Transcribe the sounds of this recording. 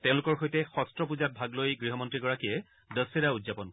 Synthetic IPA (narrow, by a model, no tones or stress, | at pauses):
tẽʊ̃lʊkɔɹxojtɛxɔstɹɔpuzat̚bʱaɡlojɡɹiɦɔmɔntɹiɡɔɹakijɛ | dəsiɾaudzapɔn